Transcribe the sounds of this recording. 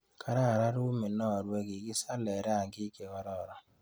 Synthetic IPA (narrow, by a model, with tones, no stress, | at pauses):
kʰa˨ɾa˦a˨ɾa˦ɾu˦mɪ˨nɔ˦˨ɾwe˦ɡi˨ɡɪ˦sa˦lɛ˨ɾɛ˦a˨ŋɡɪ˦ke˨ɔ˦ɾɔ˦˨ɾɔ˨